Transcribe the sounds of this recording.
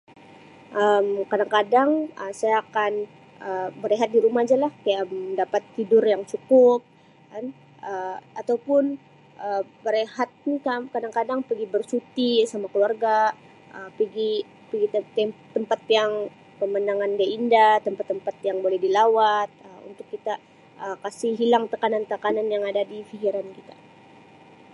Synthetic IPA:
ʔəmkadaŋkadaŋəsajaːkan | əbəɾeɦat̪̚diɾumahd͡ʒalahkajaʔədapat̪ːidʊrjaŋt͡ʃukʊp̚ | kan | əat̪awpʊn | ʔəbəɾehat̪̚nikakadaŋkadaŋpəɡibərsut̪isamakəluarɡa | ʔəpiɡi | pəɡit̪t̪ːəmpat̪̚jaŋ | kəmənaŋanɡaindat̪əmpat̪ːəmpat̪jaŋbolɛhdilawat̪̚əṵnt̪ʊkːit̪a | əkasiɦilaŋt̪əkanant̪əkananjaŋadadifikiɾankit̪ḁ

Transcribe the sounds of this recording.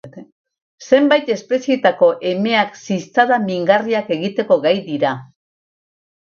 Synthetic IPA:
se̞mbajt̪e̞spe̞sie̞t̪ako̞ʔe̞me̞aksist͡saðamiŋɡariake̞ɣit̪e̞ko̞ɣajd̪iɾa

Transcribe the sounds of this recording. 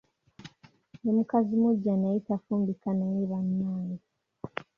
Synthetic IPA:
nemukazimuɟːanejitafuːmbikanajiβanːaːni

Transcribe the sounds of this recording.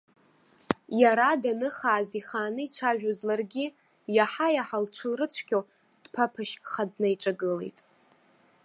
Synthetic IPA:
jaɾadanɨχaːziχaːnɨit͡ʃʷʰaʒᶣozlarɡʲi | jaħajaħalʈ͡ʂʰɨlrɨt͡ʃʷʰkʲo | d̥pʰapʰaʃkʼχadnajʈ͡ʂʼaɡɨle̞̰jtʼ

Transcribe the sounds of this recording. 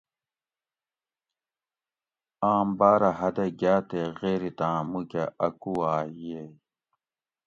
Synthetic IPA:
aːmbaːɾɐɦɐd̪ɐɡaːt̪eɣeːɾit̪ãːmukɐʔɐkuaːje

